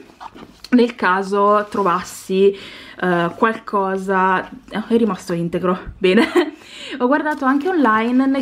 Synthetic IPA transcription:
nelkaːzot̪ɾovasːi | kwalkʰɔːzaɛrːimast̪oint̪eɡɾobɛːne | ɔɡward̪aːt̪oaŋk̟eonlajnːe

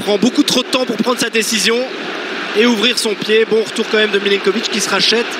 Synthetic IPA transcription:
pχɑ̃bokut̪χod̪ət̪ɑ̃puʁpχɑ̃d̪ʁsad̪esizjɔ̃ | euvʁiʁsɔ̃pjebɔ̃ʁət̪uʁkɑ̃mɛmd̪əmilɛŋkɔvit͡ʃkʲisəʁaʃɛt̪

